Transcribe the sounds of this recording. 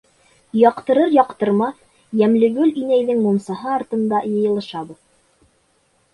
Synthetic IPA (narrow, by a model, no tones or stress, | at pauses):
jɑqt̪ɤ̆ɾɤɾjɒqt̪ɤ̆ɾmɑθ | jæmlɘ̆ɡɵlinæjðɘŋmumsɑɦɤːɾt̪ɤ̆nd̪ɑjɤ̆jɤ̆lˠɤ̆ʃɑbuð